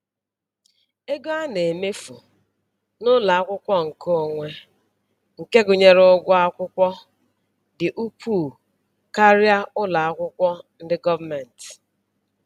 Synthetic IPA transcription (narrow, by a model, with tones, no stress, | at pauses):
e˦ɡo˦a˦ne˨e˨me˦fṵ˨ | nʊ˦la˨a˦kʷʊ˦kʷɔ˦ŋ̩˨kʰo˦˨ŋʷe˦ | ŋ̩˨ke˦ɡʊ˨ɲe˦ɾʊ˦ɡʷɔ˦a˦kʷʊ˦kʷɔ˦ | dɪ˨ʔu˦pʰu˦˨ | ka˦ɾja˦ʊ˦la˨a˦kʷʊ˦kʷɔ˦n̩˦dɪ˦ɡɔ˦va˦me˨n̩˨t